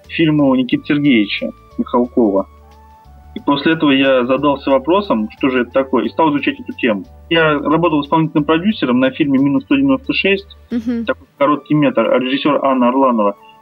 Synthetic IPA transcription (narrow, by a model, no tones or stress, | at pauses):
fʲilʲmʊnʲɪkʲit̪ə̥sʲɪrɡʲejɪt͡ɕə̰ | mʲɪxɐlˠko̞və | ipo̞sʲlʲɪɛt̪əvəjazɐd̪alˠsʲəvɐpɾo̞səmʂt̪o̞ʐɨɛt̪ət̪ɐko̞jəist̪alˠɨzvʊt͡ɕætʲɛt̪ʊtʲe̞mʊ | jarɐbo̞t̪əlˠɨspɐlnʲitʲlʲnəmpɾɐdʲusʲːɪɾəmnɐfʲilʲmʲɪmʲinʊst̪odʲɪvʲɪno̞st̪əʂɛsʲtʲt̪ɐko̞jkɐɾo̞t̪̚kʲɪjmʲet̪ərɐ̰ɾʲɪʐɨsʲːo̞ɾəʔanːəɐrlˠanəvə